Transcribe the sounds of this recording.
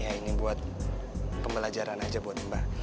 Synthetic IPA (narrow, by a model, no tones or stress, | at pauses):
jainibuat̪̚ | pəmbəlad͡ʒaɾanad͡ʒabuat̪əmba